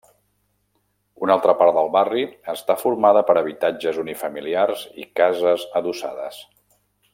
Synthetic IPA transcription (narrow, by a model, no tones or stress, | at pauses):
unalˠt̪ɾəpaɾt̪d̪əlˠβariəst̪afuɾmaðəpəɾəβ̞it̪ad͡ʒəzunifəmiliarzḭkazəzəðusa̰ðə̰s